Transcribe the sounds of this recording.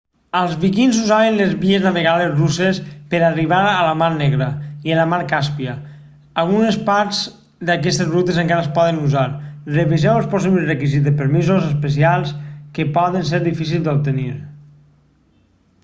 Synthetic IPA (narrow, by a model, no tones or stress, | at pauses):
əlˠzβikinzuzaβenlezβieznaβeɣalezrusespəɾariβaɾələmaɾnɛɣɾəiələmaɾkaspiə | alˠɣunespaɾz | d̪akɛst̪ezrut̪ezəŋkaɾəspɔðənuzaɾreβeʒɛwəlˠsposiβlerəkizit̪epəɾmizozəspəs̬ialˠskepɔðəns̬eɾðifis̬ilˠd̪op̚t̪əniɾ